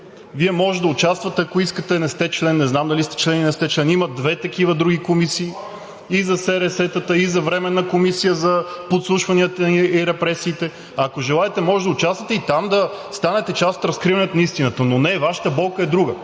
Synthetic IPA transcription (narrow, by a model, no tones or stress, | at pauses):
viɛmɔʒɛd̪ɐʊt͡ʃast̪vət̪ɛɐkoiskət̪ɛnɛst̪ɛt͡ʃlɛnːɛznamd̪ɐlist̪ɛ̥t͡ʃlɛninɛst̪ɛt͡ʃlɛnimɐd̪vɛt̪ɐkivəd̪ɾuɡikomisiː | izɐsɛɾɛsɛt̪ət̪əizɐvɾɛmɛnːəkomisijəzɐpot̪slˠuʃvɐniət̪əiɾɛpɾɛsiːt̪ɛ | ɐkoʒɛlˠaɛt̪ɛmɔʒɛd̪ɐʊt͡ʃast̪vɐt̪ɛit̪amd̪ɐ | st̪anɛt̪ɛt͡ʃasot̪ɾɐskɾivɐnɛt̪nist̪inət̪ənonɛvaʃə̥t̪əbɔlˠkəɛd̪ɾuɡə